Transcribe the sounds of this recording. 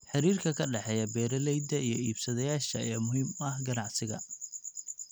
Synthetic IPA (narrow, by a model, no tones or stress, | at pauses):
ħɪɾiːrkʰɐkʰɐɖɛħɛjɐbɛːɾɐlɛjd̪ɐʔijɞiːbsɐðɛjaːʃɐɛːmʊɦiːmɐɦɡɐnɑʕsɪɣɐ̰